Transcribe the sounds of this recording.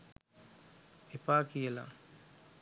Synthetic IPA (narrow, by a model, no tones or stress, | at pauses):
epaːkijəla̰